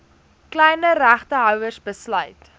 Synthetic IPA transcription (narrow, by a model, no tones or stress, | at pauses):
klɛjnəræχtəɦœwərsbəslœɥt